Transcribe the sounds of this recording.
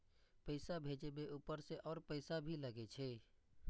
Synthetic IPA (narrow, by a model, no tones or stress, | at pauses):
pəɪsabʱeːd͡ʒebeʔuːpəɾseʔɔːɾpəɪsabʱiləɡet͡ʃʰeː